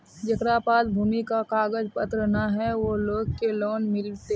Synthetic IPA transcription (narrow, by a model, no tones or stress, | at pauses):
d͡ʒɐkɾaːpaːlbʱuːmikakaːɡəd͡ʒpət̪ɾənaɦɛʋoloːɡ̚keloːnmɪlt̪e